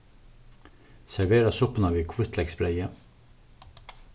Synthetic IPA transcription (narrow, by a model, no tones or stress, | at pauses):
sɛɹveːɾasʊpənaviːkʰvʊt̪ʰlɛksbɾɛjə